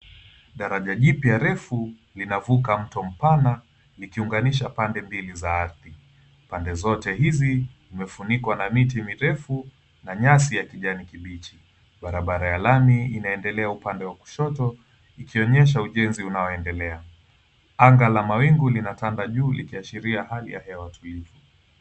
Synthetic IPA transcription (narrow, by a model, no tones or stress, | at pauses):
ɗaɾaʄaʄipjaɾɛfu | linavukam̩tɔm̩pana | likiuŋɡaniʃapandɛmbilizaaɾθi | pandɛzɔtɛɦizizimɛfunikwanamitimiɾɛfu | naɲasijakiʄanikiɓit͡ʃi | ɓaɾaɓaɾajalamiinaɛndɛlɛaupandɛwaku̥ʃɔtɔ | ikiɔɲɛʃ̬auʄɛnziunaɔɛndɛlɛa | aŋɡalamawiŋɡulinatandaʄuːlḭkiaʃiɾiahalḭja̰hɛwatʰulivu